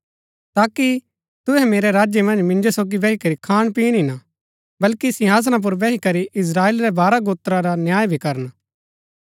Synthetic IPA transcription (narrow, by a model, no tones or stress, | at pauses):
t̪aːki | t̪ʊɦɛmeːɾeɾaːd͡ʒjemɐ̃nd͡ʒmɪ̃nd͡ʒosoːɡiʋɛɦikɐɾikʰaːɽ̃piːnɪna | bɐlkisɪɦaːs̬ñãp̬ʊɾʋɛɦikɐɾiʔɪs̬ɾaːeːlɾɛbaːɾaɡoːt̪ɾaɾanjaːjbʱikɐɾən